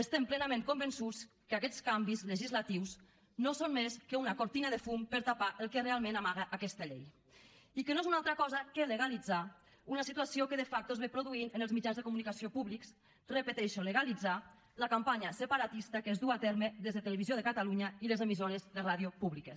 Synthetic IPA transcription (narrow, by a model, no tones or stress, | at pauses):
əst̪emplɛnameŋkombənsut͡s | kəakɛt͡skambizləʒizlat̪iws | nosonmeskəunakoɾt̪inaðəfumpəɾt̪apaʔəlˠkərealˠmẽnamaɣəʔakɛst̪aʎej | ikənoezunalˠt̪ɾəkɔzəkeləɣalid͡za | unasit̪uasiokəðəfak̚t̪oezβepɾoðuinənəlˠzmid͡ʒanzðəkumunikasiopuβliks | rəpət̪ɛʃoləɣalid͡za | ləkampaɲəsəpaɾat̪ist̪akəzðuat̪ɛɾməðezðət̪ələβizjoðəkat̪aluɲailəzəmizoɾəzðəraðjopuβlikə